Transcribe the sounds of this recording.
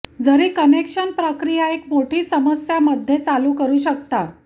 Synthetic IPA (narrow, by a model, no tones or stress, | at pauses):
d͡zəɾiːkənekʂənpɾəkɾijaekmoʈʰiːsəməsjaməd̪ʱːjet͡saluːkəɾuːɕəkt̪a